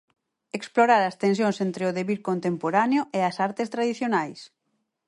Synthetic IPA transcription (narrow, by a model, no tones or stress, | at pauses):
eksploɾaɾɐst̪ẽnsjõŋsent̪ɾeoðeβiɾkont̪empoɾaneoʔeasaɾt̪est̪ɾað̞iθjonajs